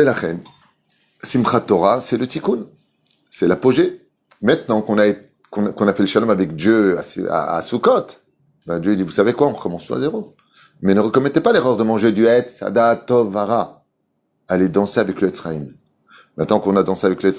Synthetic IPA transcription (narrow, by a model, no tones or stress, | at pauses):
ɛlaχɛn | simχat̪ɔʁasɛlət̪ikun | sɛlapoʒe | mɛ̃t̪nɑ̃kɔ̃nae | kɔ̃kɔ̃nafɛləʃalɔmavɛkd̪jøa̰sa̰a̰sukɔt̪ | bɛ̃d̪jøid̪ivusavekwaɔ̃ʁəkɔmɑ̃st̪ɔ̃a̰zeʁo | mɛnəʁəkɔnɛt̪epaleʁœʁd̪əmɑ̃ʒed̪yɛt̪sa̰d̪at̪ɔvaʁa | alɛd̪ɑ̃seavɛkləɛt̪sχaim | mɛ̃t̪nɑ̃kɔ̃nad̪ɑ̃seavɛkləɛt̪